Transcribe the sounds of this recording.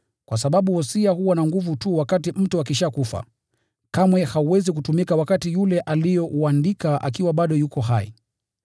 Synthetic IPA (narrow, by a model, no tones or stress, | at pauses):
kwas̬aɓaɓuhɔsiahuwanaŋɡuvutuwakatim̩tuak̬iʃakufa̰ | kamwɛhauwɛzikutumikawakatijulɛʔalijɔʔuandikaʔa̰k̬iwaɓaɗɔjukɔɦaḭ